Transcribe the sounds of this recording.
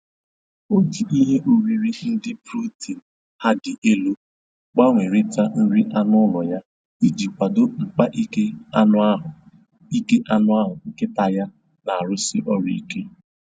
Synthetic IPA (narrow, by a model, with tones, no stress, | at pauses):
o˦d͡ʒi˨ʔi˦ɦe˦ʔo˨ɾi˨ɾi˦n̩˦dɪ˦pɾu˦ti˨n̩˨ | ha˦dɪ˨ʔe˦lo˦ | k͡pa˦ŋʷe˨ɾi˦ta˦n̩˦ɾi˦ʔa˦nʊ˦lɔ˨ja˦ | i˦d͡ʒi˨kʷa˨do˦ŋ͡m̩˨k͡pa˦ʔi˦ke˦a˦nʊ˦a˦ɦʊ˨ | i˦ke˦ʔa˦nʊ˦a˦ɦʊ˨˦kɪ˦ta˨ja˦ | na˨a˨ɾʊ˦sɪ˦ʔɔ˦ɾḭ˦ke˦